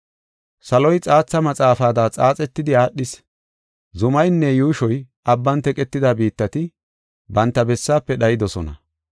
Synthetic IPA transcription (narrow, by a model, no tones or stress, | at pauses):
sɐlɔjt͡sʼaːt͡sːɐmɐt͡sʼaːfaːd̪aːt͡sʼaːt͡sʼɛt̪ːɪd̪ɪaːɗːɪs | zʊmɐjnːɛjuːʃɔj | ɐbːɐnt̪ɛkʼɛt̪ːɪd̪abiːt̪ːɐt̪ɪ | bɐnt̪ːɐbɛsːaːpːɛɗɐjɪd̪ɔsɔnɐ̰